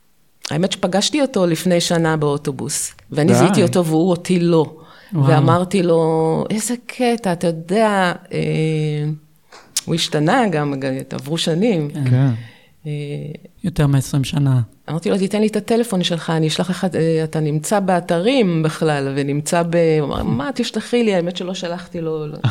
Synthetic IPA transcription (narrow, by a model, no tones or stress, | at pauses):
a̰eme̞tʃepaɡaʃtio̞to̞lifne̞jʃanabeo̞to̞bṵsveanizit̪io̞to̞veuotilo̞ | veamaʁtilo̞ʔe̞zekʰetaːtajo̞de̞aḛ | ṵiʃtanaɡamɡata̰vʁuʃanimk | ejot̪eʁmeesʁimʃanaamaʁtilo̞tit̪enlitate̞le̞fo̞nʃe̞lχaːniːʃlaχleχaeatanimt͡sabeataʁimbeχlalvenimt͡sabema̰mat̪iʃtaχiliaemetʃelo̞ʃalaχtilo̞